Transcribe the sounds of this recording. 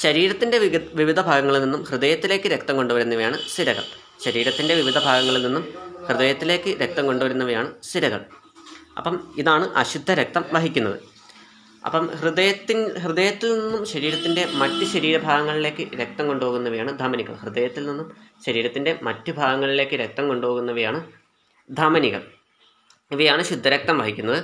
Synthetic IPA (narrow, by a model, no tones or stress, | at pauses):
ɕɐɾiːɾɐt̪ːinde̞ʋiʋid̪ʱɐbʱaːɡɐŋːɐɭilninːumhrɨd̪ɐjɐt̪ːile̞ːkːɨɾe̞kt̪ɐmko̞ɳɖuʋɐɾunːɐʋɐjaːɳɨst̪iɾɐɣɐ̰ɭ | ɕɐɾiːɾɐt̪ːinde̞ʋiʋid̪ʱɐbʱaːɡɐŋːɐɭilninːumhrɨðɐjɐt̪ːile̞ːkːɨɾe̞k̚t̪ɐmko̞ɳɖuʋɐɾunːɐʋɐjaːɳɨsiɾɐɣɐ̰ɭ | ʔɐ̰pːɐmiðaːɳɨʔɐ̰ɕud̪ʱːɐɾek̚t̪ɐmʋɐɦikʲːunːɐ̰ðɨ̰ | ɐ̰pːɐmhrɨd̪ɐjɐt̪ːiɦrɨd̪ɐjɐt̪ːilninːumɕɐɾiːɾɐt̪ːinde̞mɐtːɨɕɐɾiːɾɐbʱaːɡɐŋːɐɭile̞ːkːɨɾek̚t̪ɐmko̞ɳɖuoːɣunːɐʋɐjaːɳɨd̪ʱaːmɐniɣɐ̰ɭhrɨd̪ɐjɐt̪ːilninːumɕɐɾiːɾɐt̪ːinde̞mɐtːɨbʱaːɡɐŋːɐɭile̞ːkːɨɾek̚t̪ɐmko̞ɳɖuoːɣunːɐʋɐjaːɳɨ | d̪ʱaːmɐniɣɐ̰ɭ | iʋɐjaːɳɨɕud̪ʱːɐɾek̚t̪ɐmʋɐɦikʲːunːɐðɨ